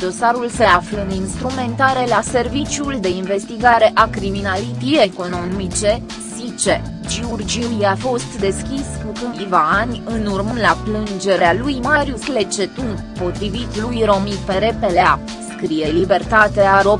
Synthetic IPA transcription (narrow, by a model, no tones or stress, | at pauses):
d̪o̞saɾulse̞afləɨninst̪ɾume̞nt̪aɾe̞lase̞rvit͡ʃjuld̪e̞inve̞st̪iɡaɾe̞ʔakɾiminalit̪ieko̞no̞mit͡ʃe̞ | sit͡ʃe | d͡ʒiurd͡ʒiuiafo̞st̪d̪e̞skʲiskukɨivaːnʲɨnurmlaplɨnd͡ʒe̞ɾealujmaɾjusle̞t͡ʃe̞t̪uŋ | po̞t̪ɾivit̪lujɾo̞mipeɾe̞pelea | skɾije̞libe̞rt̪at̪eaɾo̞